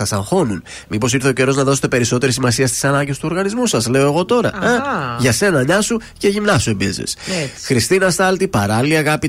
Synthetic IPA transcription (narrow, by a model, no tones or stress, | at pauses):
ɐsɐŋxo̞nun | mipo̞siɾθeo̞ce̞ɾo̞znɐðo̞se̞t̪e̞pe̞ɾiso̞t̪e̞ɾis̬imɐsiɐst̪isɐnɐɲɟe̞st̪uo̞ɾɣɐnizmusɐsle̞oe̞ɣo̞t̪o̞ɾɐ̰ɐʝɐse̞nɐɲɐsu | ce̞ʝimnɐsue̞bḭzḛsxɾist̪inɐst̪ɐlt̪ipɐɾɐliiɐɣɐpi